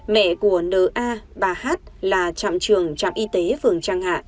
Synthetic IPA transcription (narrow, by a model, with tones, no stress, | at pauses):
mɛ̰˧˨ku˧˩ənəː˨˩ʔaː˧ɓaː˨˩haː˦˥t̚laː˨˩t͡ɕa̰˧˨mt͡ɕɨ˨˩əŋt͡ɕa̰ː˧˨mʔi˧t̪e˨˦fɨ˨˩əŋt͡ɕaː˧ŋha̰ː˧˨ʔ